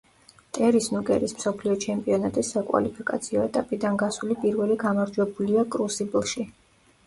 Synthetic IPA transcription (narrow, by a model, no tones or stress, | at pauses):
t̪ʼɛɾisnukʼɛ̰ɾismsɔpʰliɔt͡ʃʰɛmpʼiɔnat̪ʼɛsakʼwa̰lipʰikʼat̪sʰiɔɛt̪ʼapʼid̪anɡasulipʼiɾvɛliɡamaɾd͡ʒwɛbuliakʼɾusiblˠʃi